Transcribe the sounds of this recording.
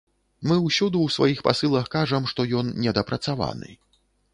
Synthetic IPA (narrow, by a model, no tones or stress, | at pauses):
mɨwsʲud̪uwsva̰jixpa̰sɨlˠɐxkaʐɐmʂt̪ɔjɔnnʲɛd̪ɐpɾɐt̪sava̰nɨ̰